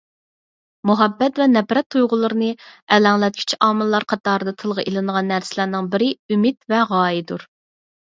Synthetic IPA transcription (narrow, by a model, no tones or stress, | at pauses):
muɦɛbːɛt̪vɛnɛpɾɛt̪ʰːujʁʊlˠɨɾɨnɨɛlæŋlˠɛt̪̚kʲʰy̥t͡ʃʰiɑːmɨlˠːɑɾqʰɑt̪ɑːɾɨd̪ɑt̪ʰɨlˠʁəʔelˠɨnəʁɑnːæɾsɪlæɾnɨŋbɪɾɪymɪt̪vɛʁɑːjid̪uɾ